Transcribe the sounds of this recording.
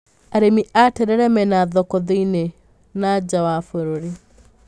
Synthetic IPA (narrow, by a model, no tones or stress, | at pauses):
aɾemiʔatɛɾɛɾɛmɛnaðɔkɔðiine | nad͡ʒawafoɾoɾi